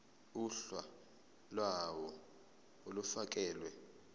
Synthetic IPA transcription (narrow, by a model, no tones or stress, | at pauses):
uɬwa | lwawɔ | olufak̬ɛːlwɛ